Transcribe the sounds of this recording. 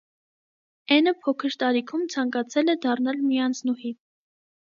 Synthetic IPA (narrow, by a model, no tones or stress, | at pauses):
ɛnəpʰɔkʰəɾt̪ɑɾikʰumt͡sʰɑŋkɑt͡sʰɛlɛd̪ɑrnɑlmijɑnt͡sʰnuhi